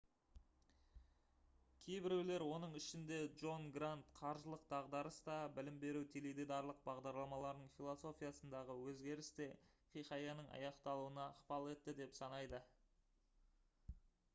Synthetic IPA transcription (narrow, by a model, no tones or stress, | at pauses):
kʲʰe̞jbɪɾewle̞ɾwo̞nəɴɪʃɪnd̪e̞dʒo̞nɡrant̪qʰɑɾʒəlˠəq̚d̪ɑʁd̪ɑɾəst̪ɑbɪlɪmbe̞ɾuwt̪ʰelid̪ed̪ɑɾlˠəq̚bɑʁd̪ɑɾlˠɑmɑlˠɑɾnəɴfʲilˠo̞so̞fʲijasənd̪ɑʁəwɵzɡʲe̞ɾɪst̪e̞χijχɑjɑnəɴɑ̰jɑqt̪ɑlˠuənɑːqpɑlˠe̞t̪ːɪd̪e̞psɑnɑjd̪ə